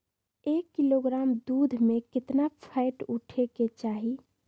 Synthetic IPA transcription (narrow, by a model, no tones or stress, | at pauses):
ekːiloɡɾamd̪ud̪ʱmekɪt̪napʰaɪʈuʈʰeket͡ʃaɦi